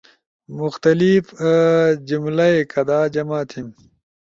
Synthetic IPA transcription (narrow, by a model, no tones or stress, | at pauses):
mʊxt̪ɐlif | d͡ʑumlɐekʰɐd̪aːd͡ʑɐmaːt̪ʰim